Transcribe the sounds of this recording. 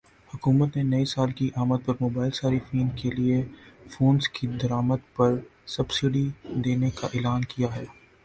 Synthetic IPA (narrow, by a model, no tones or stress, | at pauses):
hʊkuːmət̪nenɐisaːlkiʔaːməd̪̚pɐɾmoːbaːɪlsaːɾifiːnkeliefoːnskid̪ɐɾaːməd̪pɐɾsɐbsɪɖid̪eːnekaʔɪːlaːnkijaɦɛː